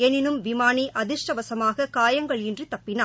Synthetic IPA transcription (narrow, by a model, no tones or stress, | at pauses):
ɛnɪnɯmʋɪmaːniʔɐðɪʂʈɐʋɐsɐmaːɣɐkaːjɐŋɡɐɭjɪndrit̪ɐpːɪnaː